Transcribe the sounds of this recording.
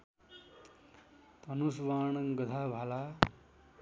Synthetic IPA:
t̪ʌnusʋaːɳʌŋɡʌd̪ʱabʱala

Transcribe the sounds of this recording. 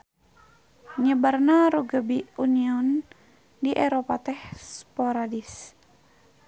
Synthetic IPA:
ɲəbarnaɾuɡəbiuniɔn | diʔɛɾopat̪ɛhspoɾadis

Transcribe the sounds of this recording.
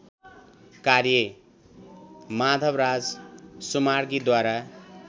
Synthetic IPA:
karjʌ | mad̪ʱʌbrad͡zsumarɡid̪waɾa

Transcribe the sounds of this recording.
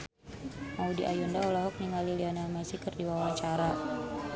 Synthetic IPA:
ʔaudiʔajɔndaɔlɔɦɔk̚niŋaliliɔnalmɛsikərdiwawaɲt͡ʃaɾa

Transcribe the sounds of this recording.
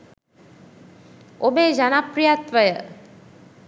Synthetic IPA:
obeːd͡ʒanapɾijat̪ʋəjə

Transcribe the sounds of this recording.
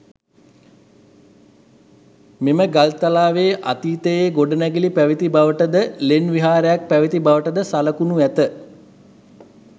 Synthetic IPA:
meməɡalt̪alaːʋeːʔa̰t̪iːt̪əjeːɡoɖənæɡilipæʋit̪ibaʋəʈəd̪əlenʋiɦaːɾəjak̚pæʋit̪ibaʋəʈəd̪əsaləkunuæt̪ə

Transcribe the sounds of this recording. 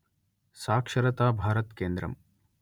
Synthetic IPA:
saːkʂɐɾɐt̪aːbʱaːɾɐt̪keːnd̪ɾɐ̰m

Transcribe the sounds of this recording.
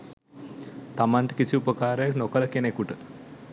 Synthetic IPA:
t̪amant̪ə̥kisiupəkaːɾəjaknokələkenekuʈə

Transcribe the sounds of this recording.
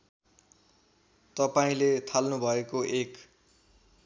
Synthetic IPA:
t̪ʌpaĩlet̪ʰalnubʱʌekoʔek

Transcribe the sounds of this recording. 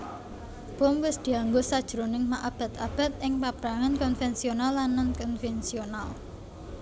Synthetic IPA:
b̥o̤mwɪsd̪̥i̤aŋɡosad̥ʒ̥əɾonɪŋmaʔab̥a̤t̪ab̥a̤t̪̚ɪŋpab̥ɾaŋankɔnfɛnsionalːanːankɔnfɛnsional

